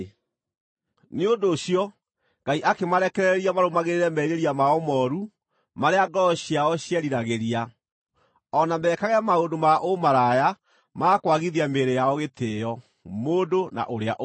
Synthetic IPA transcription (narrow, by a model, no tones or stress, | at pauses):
neondoːɕjɔ | ɡ̥aiʔakemaɾɛkɛɾɛɛɾiamaɾomaɣeɾeɾɛmɛiɾeɾiamaɔmɔɾu | maɾeaɡɔɕjaɔɕjɛɾiɾaɣeɾia | ɔnamɛːkaɣɛmaodomaʔomaɾaja | makwaɣiðiameɾejaɔɣetejɔ | moːdona̰ʔoɾeaʔ